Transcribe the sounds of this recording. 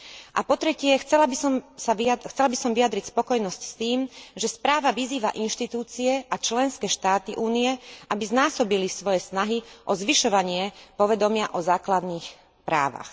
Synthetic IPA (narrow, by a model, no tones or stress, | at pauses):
ʔa̰pɔt̪ɾɛcɪɛxt͡sɛlabisɔmsaixt͡sɛlabisɔmʋiad̪ɾicspɔkɔjnɔscst̪iːmʒɛspɾaːʋaʋiziːʋa̰ʔinʃt̪it̪uːt͡siɛʔat͡ʃlɛnskɛʃt̪aːt̪iʔuːnijɛʔabiznaːsɔbilisʋɔjɛsnaɦiʔɔzʋiʃɔʋaɲɪɛpɔʋɛd̪ɔmɪaʔɔzaːklad̪niːx | pɾa̰ːʋa̰x